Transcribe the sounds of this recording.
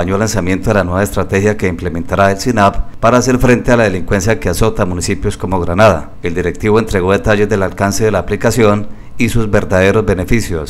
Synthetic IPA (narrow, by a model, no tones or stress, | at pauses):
ɲo̞lansamje̞nt̪oðe̞lanwe̞βaest̪ɾat̪e̞hjake̞imple̞mẽ̞nt̪aɾaelsinappaɾaːse̞ɾfɾe̞nt̪e̞alað̞e̞liŋkwe̞nsjakeaso̞t̪amunisipjo̞sko̞moɣɾanaða̰ | e̞ld̪iɾe̞k̚t̪iβo̞ent̪ɾe̞ɣo̞ðet̪aʝe̞zd̪e̞lalkanse̞ðe̞laːplikasjo̞n | isuzbe̞ɾd̪aðe̞ɾo̞zbe̞ne̞fisjo̞s